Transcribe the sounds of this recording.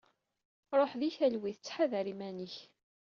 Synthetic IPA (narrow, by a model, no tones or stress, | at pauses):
ɾˤoħðiçælwiθt͡sːħaðæɾimæniç